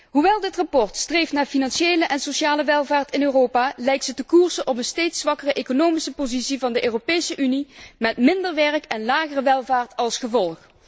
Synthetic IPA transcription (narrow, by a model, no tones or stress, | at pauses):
ɦuʋɛlˠdɪtrɑpɔɹtstrejftnaːɹfinɑnʃejləʔɛnsoʃaːləʋɛlˠvaːɹtɪnøːrowpaːlɛjk̚tsətəkuːɹzənʔɔp̬ənstejtsʋɑkərəʔekonowmisəpozitsivɑndəʔøːropejsəʔynimɛtmɪndəɹʋɛɹkɛnlaːɣərəʋɛlˠvaːɹtɑlˠsχəvɔlˠχ